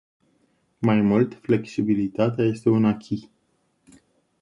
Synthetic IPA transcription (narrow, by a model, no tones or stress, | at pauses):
majmult̪fle̞ksibilit̪at̪eaje̞st̪e̞unakʲʰi